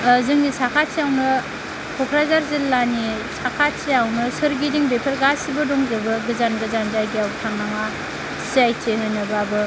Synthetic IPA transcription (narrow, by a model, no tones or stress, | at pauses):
zɯŋnisakʰat̚siawnɯ | kʰɔkʰɾazaɾzillani | sakʰatsiawnɯsɯɾɡidiŋbepʰɯɾɡasibɯdɔŋzɯbɯɡɯzanɡɯzanzajɡiawbtʰaŋnaŋa | siajtʰeɦɯnɯbabɯ